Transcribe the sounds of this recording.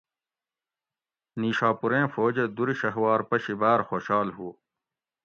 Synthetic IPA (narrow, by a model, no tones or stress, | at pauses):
niːɕaːpuɾẽːfoːd͡ʑed̪uɾiɕɐɦwaːɾpɐɕibaːɾxoːɕaːlɦuo